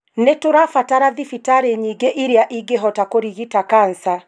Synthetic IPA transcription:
netoɾafataɾaðifitaɾeɲiɡeʔiɾeaʔiɡeɦɔtakoɾiɣitakansa

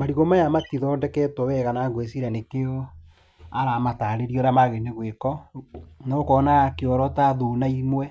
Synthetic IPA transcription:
maɾiɣɔmajamatiðɔːndɛkɛtɔwɛɣanaɡwesiɾanekeo | aɾamataɾeɾiɔɾamaɣeneɣwekɔ | naokɔnakeɔɾɔtaðunaimwɛ

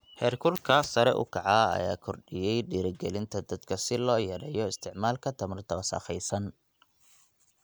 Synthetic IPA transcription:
hɛːrkʰʊlkʰɐsɐɾɛʔʊ̰kʰɐʕɑɐ̰jaːkʰɔrɖɪjɛjɖiːɾɪɡɛlɪnt̪ʰɐd̪ɐd̪kʰɐsɪlɔːjɐɾɛːjɔɪst̪ʰɪʕmaːlkʰɐt̪ʰɐmɐrt̪ʰɐwɐsɐ̰ːχɛjsɐn

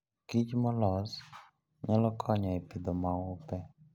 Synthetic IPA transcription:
kit͡ʃmɔlɔz | ɲalɔkʰɔɲɔepid̪ɔmaʊpɛ

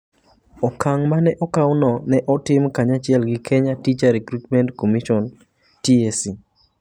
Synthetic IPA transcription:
ɔkaŋmanɛʔɔkawnɔnɛʔɔtɪmkaɲat͡ʃɪɛlɡɪkʰɛɲatit͡ʃaɾɛkɾutmɛntkomiʃɔn | tiesi

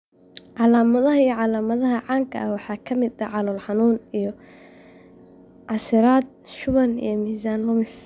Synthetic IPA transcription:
ʕɑlaːmɐðɐɦɐijɔʕɑlaːmɐðɐɦɐʕɑːŋkʰɐ̰ʔɐwɑħɑːkʰɐmɪd̪ɐʕɑlɔlħɑnuːnijɔ | ʕɑsɪɾaːd̪̚ʃʊβɐnḭjɞmiːsaːnlʊmɪs

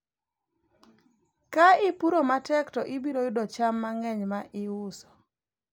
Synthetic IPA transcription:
kaɪpuɾomatɛktɔʔɪbiɾojʊdɔt͡ʃamːaŋɛɲmaʔɪʊsɔ̥

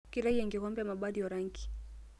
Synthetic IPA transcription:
kiɾahiaŋɡɛɣɔmbɛamaɓaðiwaɾaŋɡi̥

